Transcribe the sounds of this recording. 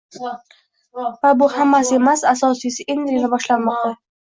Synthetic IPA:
vabʊhamːasɪe̞masasɒsisɪʔend̪ɾilabɒʃlanmɒq̚t̪a

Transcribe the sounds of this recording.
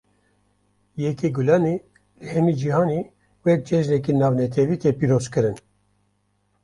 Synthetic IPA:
jɛkiɡulɑːneː | lɨhɛmiːd͡ʒihɑːneː | wɛk̚d͡ʒɛʒnɛk̬inɑːvnɛt̪ʰɛviːt̪ʰepiːɾoːzkɨɾɨn

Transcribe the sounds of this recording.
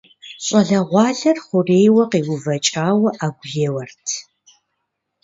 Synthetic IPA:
ɕʼɐɮɐʁʷɑːɮɐrχʷʊreːjwɐqiːwʊvɐt͡ʃʼaːwɐʔaːɡʷʊjewɐrtʰ

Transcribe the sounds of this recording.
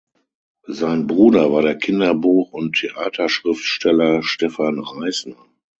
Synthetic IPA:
zaɪnbʁuːdɐvaːɐɾeːɐkʰɪndɐbuːχʊntʰːeʔaːtʰɐʃʁ̥ɪftʃtɛlɐʃtɛfanʁaɪsnɐ

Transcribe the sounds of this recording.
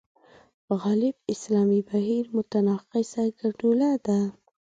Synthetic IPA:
pəɣɑlɪb̚ɪslɑmibaɦiɾmʊt̪anɑqisaɡaɖulad̪a

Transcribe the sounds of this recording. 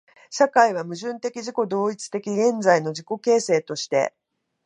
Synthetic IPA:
ɕakaiβ̞amɯ̟ʑɨ̃nt̪e̞kʲiʑiko̞d̪o̞ːit͡sɨ̥t̪e̞kʲiɡẽ̞nd͡zaino̞ʑiko̞ke̞ːse̞ːt̪o̞ɕi̥t̪e̞̰

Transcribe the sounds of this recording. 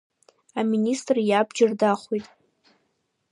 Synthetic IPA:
aministʼrjabd͡ʒɪrdaχʷijtʼ

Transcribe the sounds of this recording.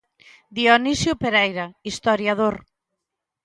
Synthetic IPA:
d̪ionisjʊpeɾɛjɾaist̪oɾjaðoɾ

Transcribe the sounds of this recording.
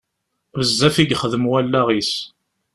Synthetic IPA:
vəzːæfiɡχəðəmwælːæʁis

